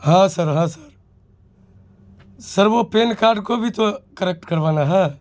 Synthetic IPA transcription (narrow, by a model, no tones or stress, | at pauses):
ɦãsəɾɦãsəɾ | səɾʋopeːnkaːɾɖkobʱit̪okəɾek̚ʈkɐɾʋaːnaɦɛː